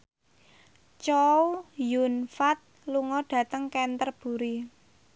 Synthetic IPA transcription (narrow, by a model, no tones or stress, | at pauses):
t͡ʃɔwjunfat̪̚luŋɔɖ̥ä̤t̪əŋkɛnt̪ərb̥ṳɾi